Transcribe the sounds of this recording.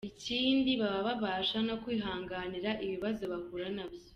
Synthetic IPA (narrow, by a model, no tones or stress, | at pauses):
iciːndiβaβaβaβaːʃano̞kwiːɦaːŋɡaːniɾaʔiβiβazo̞βahuɾanabjo